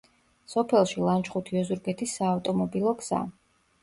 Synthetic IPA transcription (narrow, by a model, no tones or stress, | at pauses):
sɔpʰɛlˠʃilˠant͡ʃχut̪ʰiɔzuɾɡɛt̪ʰisːaːft̪ʼɔmɔbilˠɔɡz̥a̰